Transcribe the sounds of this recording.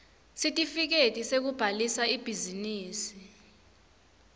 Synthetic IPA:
sitʼifik̬etʼisek̬ub̥ʱalisaib̥ʱiziniːsi

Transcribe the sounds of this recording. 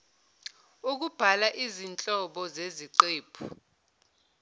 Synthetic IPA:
uk̬ub̥ʱalaʔizint͡ɬʼɔɓɔzeziǃeːpʰu

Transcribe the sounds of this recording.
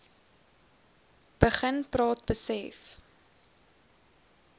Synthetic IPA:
b̥əχənprɑːt̚bəsɛf

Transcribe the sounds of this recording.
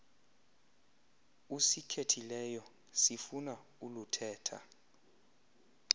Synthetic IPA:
usikʰetʰilɛjɔ | sifuna | ulutʰɛːtʰa̰

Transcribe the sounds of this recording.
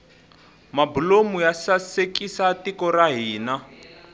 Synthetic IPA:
mabulomujasasekisatikɔraɦiːna

